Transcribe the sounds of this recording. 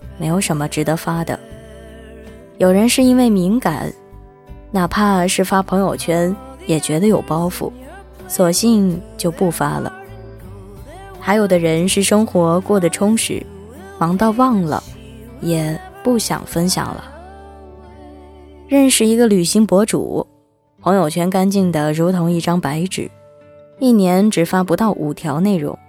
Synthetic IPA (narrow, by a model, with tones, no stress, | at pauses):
me˧˥ɪjo˨˧˩ʊʂə˧˥nmə˧ʈ͡ʂɻ̩˧˥d̪ə˧fa˥d̪ə̰˨˩ | jo˨˩ʊɻə˧˥nʂɻ̩˥˩i˥nwe˥˩ɪmi˧˥ŋka̰˨˩˦n | na˨˩pʰa˥˧ʂɻ̩˥˩fa˥pʰɤ˧˥ŋjo˨˩ʊt͡ɕʰɥɛ˥njɛ˨˩t͡ɕɥɛ˧˥d̪ə˧jo˨˩ʊpɑ˥ʊfṵ˥˩ | swɔ˨˩ɕi˥˧ŋt͡ɕjo˥˧ʊpu˥˩fa̰˥lə̰˩ | xa˧˥ɪjo˨˩ʊd̪ə˦ɻə˧˥nʂɻ̩˥˩ʂɤ˥ŋxwɔ˧˥kwɔ˥˩d̪ə˩ʈ͡ʂʰʊ˥ŋʂɻ̩̰˧˥ | wɑ˧˥ŋt̪ɑ˥˧ʊwɑ˥˩ŋlə̰˩ | jɛ˨˩pu˥˩ɕjɑ̰˨˩ŋfə˥nɕjɑ̰˨˩ŋlə̰˦ | ɻə˥˧nʂɻ̩˥˩i˧˥ɡə˧ly˨˩ɕi˧˥ŋpwɔ˧˥ʈ͡ʂṵ˨˩ | pʰɤ˧˥ŋjo˨˩ʊt͡ɕʰɥɛ˧˥nka˥nt͡ɕi˥˩ŋd̪ə˩ɻu˧˥t̪ʰʊ˧˥ŋi˥˩ʈ͡ʂɑ˥ŋpa˧˥ɪʈ͡ʂɻ̩̰˨˩˦ | i˥˩njɛ˧˥nʈ͡ʂɻ̩˨˩fa˥pu˧˥t̪ɑ˥˩ʊʔṵ˨˩t̪ʰjɑ˧˥ʊne˥˩ɪɻʊ̰˧˥ŋ